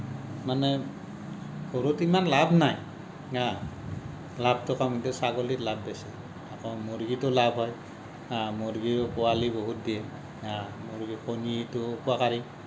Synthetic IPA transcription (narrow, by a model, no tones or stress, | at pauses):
manɛ | ɡʱɔɾutimanlabnaj | a | lab̚tɔkʰamitɛsaɡolitlabːɛsɛ | akɔmoɹɡitɔlabʱɦɔj | amoɾɡikɔaliboɦut̚dijɛ | amoɾɡikʰonitʊkuakaɾi